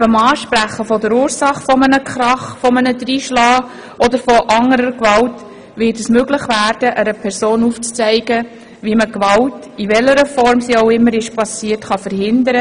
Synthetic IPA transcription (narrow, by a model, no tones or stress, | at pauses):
bəmɑːʃpɾæχəfɔdəɾuːɾsɑχfɔmənəkχɾɑχfɔmənəd̪ɾiːʃlɑː | ʔɔd̪əɾfɔʔɑŋəɾəɾkʋɑlt | vɪtəsmøɡləχvæːɾd̥əʔəɾəpʰɛɾsoːnuːft͡st͡sæɪɡə | ʋiməkʋɑlt | ivɛlːəɾəfɔɾmsioʊɪmːəɾɪʃpɑsiːtχɑfəɾhɪndəɾə